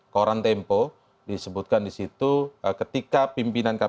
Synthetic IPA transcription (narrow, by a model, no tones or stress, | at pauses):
koɾant̪ɛmpo | disəbut̪̚kandisit̪ukət̪ikapimpinanka